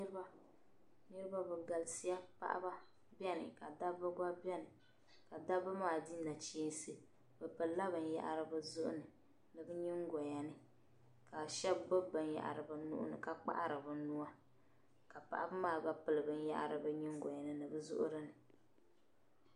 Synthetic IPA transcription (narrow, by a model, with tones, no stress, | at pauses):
nɨ˦ɾba˦ | nɨ˦ɾɨ˦ba˦bɨ˨ɡa˨lsi˦ja˦pa̰˦ʔa̰˦ba˦ | bi˦ɛ˦nɨ̰˨ka˨da˦bɨ˦ɡa˦bɛ˦nɨ˨ | ka˨da˦bɨ˦maː˨di˦na˨t͡ʃiː˦n˦sɨ˦ | b̥ɨ˨pɨ˨˦la˦bɨ˨n̩˦ja̰˦˨ʔa̰˨ɾɨ˨bɨ˦zʊ˦ʔʊ̰˦nɨ˨ | nɨ˨bɨ˦ɲi˦ŋɡɔ˨ja˨nɨ˨ | ka˨ʃɛ˦bbo˦bbːɨ˨n˦ja̰˨ʔa̰˨ɾɨ˨ba˨nṵ˦ʔʊ̰˦nɨ̰˨ka˨k͡pa̰˦ʔa˦ɾɨ˨bɨ˨nu˦a˦ | ka˨pa̰˨ʔa˦bɨ˦maː˦˨ba˦pɨ˨lɨ˨bɨ˨n̩˦ja̰˦ʔa̰˨ɾɨ˨bɨ˦ɲi˦ŋɡɔ˨ja˨nɨ˨nɨ˨bɨ˦zʊ̰˦ʔʊ̰˦ɾɨ˦nɨ˨